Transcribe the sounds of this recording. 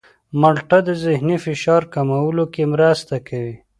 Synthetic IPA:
maɽʈad̪əzɪhnifɪʃɑɾkamawəlokemɾast̪akʰawi

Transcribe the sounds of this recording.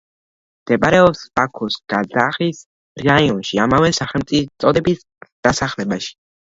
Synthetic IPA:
md̪̥ɛpʼaɾɛɔpsb̥akʰɔsɡ̥azaχis | ɾaiɔnʃiamavɛsaχɛlmt̪sʼit̪sʼɔd̪ɛbis | d̪̥asaχlɛbaʃi̥

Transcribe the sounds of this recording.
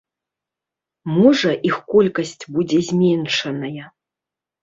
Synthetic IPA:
mɔʐɐʔixkɔlʲkɐsʲt͡sʲbud͡zʲɛzʲmʲɛnʂɐnɐjɐ

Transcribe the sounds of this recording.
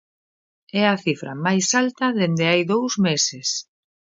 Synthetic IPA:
ɛɐθifɾɐ̰majsalt̪ɐðend̪ɪajðowzmesɪs

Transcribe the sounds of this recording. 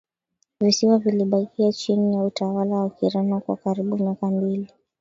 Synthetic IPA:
visiwaviliɓakiat͡ʃinijautawalawakiɾɛnɔkwa̰kaɾiɓumjakambili

